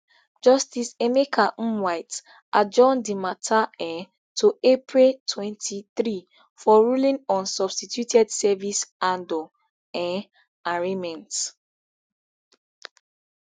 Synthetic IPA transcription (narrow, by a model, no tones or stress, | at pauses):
d͡ʒɔstisemekʰawaɪt | ʔad͡ʒɔ̃ndimatʰaɛ̃ | tʰuepʰɹiltʰwɛ̃ntʰiθɾi | fɔɹulĩnɔ̃nsɔb̥stitʰjutʰɛdsɛvisãndɔ | ɛ̃ | aɹemɛ̃nt